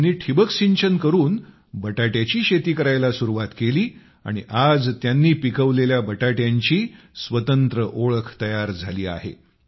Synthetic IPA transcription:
nːiːʈʰibəkɕiɲt͡ɕənkəɾuːn | bəʈaʈjat͡ɕiːɕet̪iːkəɾajlasuɾuʋat̪keliː | a̰ɽ̃ḭʔad͡zt̪janːiːpikəʋleljabəʈaʈjaɲt͡ɕiː | sʋət̪ənt̪ɾəʔoɭəkʰt̪əjaɾd͡zʱaliːa̰ɦḛ

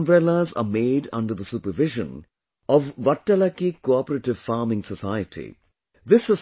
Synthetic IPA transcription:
mbɾɛlaza̰ːmeːɖʌ̰̃ɳɖəɾd̪əsuːpəʋɪʒə̰̃n | ʔɔʋːɐʈːɐlakikoɔpəɾeʈɪʋfaːmɪ̃ŋsəsaɪəʈʰḭ | d̪ɪsːə

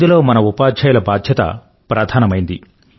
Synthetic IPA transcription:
d̪ulo̞ːmɐnɐupaːd̪t͡ʃɐjulɐbaːd̪ʱjɐt̪ɐ̰ | pɾaːd̪ʱaːnɐmɐjind̪ḭ

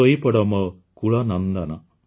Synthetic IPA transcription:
ojipɐɽɐmɐ | kuɭɐnɐnd̪ɐnɐ

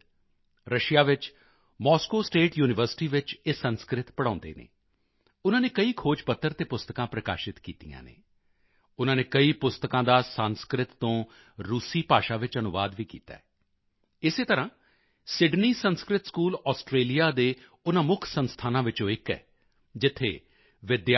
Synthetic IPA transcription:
ɾəʃijaːʋɪt͡ʃ | mɔːskoːsʈeːʈjuːnɪʋəɾsɪ̥ʈiːʋɪt͡ʃeːsənskɾɪt̪pəɽãːnd̪ḛːnḛː | ʊnãːneːkəiːkʰoːd͡ʒpət̪ːəɾt̪eːpʊst̪əkãːpɾəka̰ːʃɪt̪kiːt̪ijã̰ːnḛː | ʊnãːneːkəiːpʊst̪əkãːd̪aːsaːnskɾɪt̪ːõː | ɾuːsiːpaːʃaːʋɪt͡ʃənʊʋaːd̪ʋiːkḭːt̪a̰ːɛː | ɪseːt̪əɾãː | sɪɖniːsənskɾɪt̪skuːlɔːsʈɾeːlijaːd̪eː | ʊnãːmʊkʰsənst̪ʰaːnãːʋɪt͡ʃõːɪkɛ̰ː | d͡ʒɪt̪ʰːḛː | ʋɪd̪ja

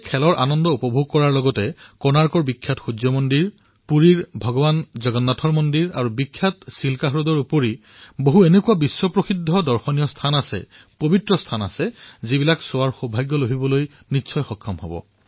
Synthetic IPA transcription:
kʰɛlɔɹʔa̰nɔndɔupɔbʱuɡ̚kɔɹaɹlɔɡɔtɛkɔnaɹkɔɹbikʰːjatxud͡ʒɔmondiɹ | puɹiɹbʱɔɡɔbanzɔɡɔnːatʰɔɹmɔndiɹa̰ɹubikʰːjatsilkaɦɹɔdɔɹupɔɹi | boɦuenekuabisːwɔpɹoxidʱːɔdɔɹxɔnijɔstʰanasɛ̰ | pobʱitɹɔstʰana̰sɛzibilaksʊaɹxobʱajɡːɔloɦibɔloj | nitːsʰɔjxɔkʰːɔmɦɔ̰bɔ̰

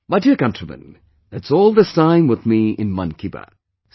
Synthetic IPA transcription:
maɪdiəɹkʌ̃ntɹ̥əmɨ̰̃n | ðætsɔlˠðɪstãɪ̃mwəðmiʔɪ̰̃nmʌ̰̃nkʰibə̰

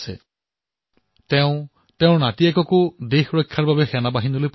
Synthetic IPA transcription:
sɛ̰ | tɛʊ̃ | tɛʊ̃natiɛkɔkʊdexɹojkʰːaɹbabɛxɛnabaɦinolojp

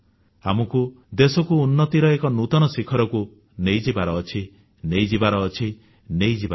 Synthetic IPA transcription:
amɔku | d̪esɔkuːnːɔt̪iɾɔekɔnut̪ɔnɔsikʰɔɾɔku | nejd͡ʒibaɾɔːt͡ʃʰi | nejd͡ʒibaɾɔːt͡ʃʰi | nejd͡ʒibaɾ

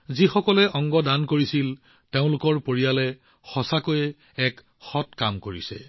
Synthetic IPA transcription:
zixɔkɔlɛʔɔŋɡɔdankoɹisil | teʊ̃lʊkɔɹpoɹijalɛ | xɔsakojɛ | ɛk | xɔtkamkoɹisɛ̰

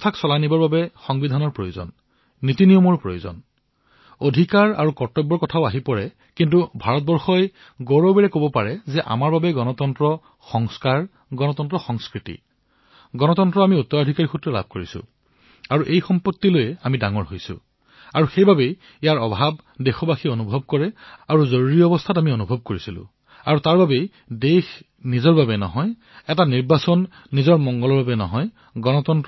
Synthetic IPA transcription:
tʰaksɔlanibɔɹbabɛxɔŋbidʱanɔɹpɹojozɔ̰nː | itinijɔmɔɹpɹojozɔ̰n | odʱikaɹa̰ɹukɔɹtɔbɔɹkɔtʰaʊaɦipɔɹɛ | kint̬ubʱaɹɔt̚bɔɹxɔj | ɡoɹɔbɛɹɛkobɔpaɹɛzɛʔa̰maɹbabɛɡɔnɔtɔntɹɔ | xɔŋskaɹ | ɡɔnɔtɔntɹɔxɔŋskɹitḭ | ɡɔnɔtɔntɹɔamiutːɔɹadʱikaɹixutɹɔla̰b̚ʱkoɹisʊ̰̃ | aɹuʔejxɔmpɔtːilojɛamidaŋɔɹɦojsʊ̰̃ | aɹuxejbabej | ijaɹɔbʱab | dexɔbaxionubʱɔb̚kɔɹɛaɹuzoɹuɹiɔɔbɔstʰatamionubʱɔb̚koɹisilʊ̰̃ | aɹutaɹbabej | dex | nizɔɹbabɛnɔ̰ɦɔj | ɛtaniɹbasɔnː | izɔɹmɔŋɡɔlɔɹbabɛnɔ̰ɦɔj | ɡɔnɔtɔnt

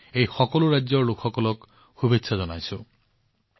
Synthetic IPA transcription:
ejxɔkɔluɾajd͡ʒɔɹlokʰxɔkɔlɔk | xubetsʰazɔnajsu

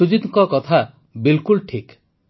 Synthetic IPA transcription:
ud͡ʒit̪ŋkɔkɔt̪ʰa | bilkulʈʰik

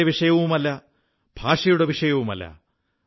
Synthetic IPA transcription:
eʋiʂɐjɐʋumɐlːɐ | b̥ʱaːʂɐjuɽe̞ʋiʂɐjɐʋumɐ̰lːɐ̰

